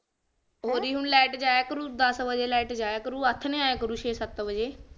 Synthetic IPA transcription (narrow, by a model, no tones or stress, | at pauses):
ɦoːɾiːɦʊɳlɛːʈd͡ʒaːjeːkəɾuːd̪əsbəd͡ʒeːlɛːʈd͡ʒaːakəɾuːət̪ʰːnẽːaːeːkəɾuːʃeːsət̪ʋəd͡ʒeː